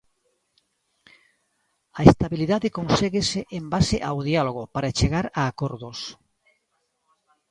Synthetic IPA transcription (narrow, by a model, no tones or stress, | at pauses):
aest̪aβiliðaðekonseɣeseʔembaseʔawðialoɣopaɾat͡ʃeɣaɾaːkoɾðos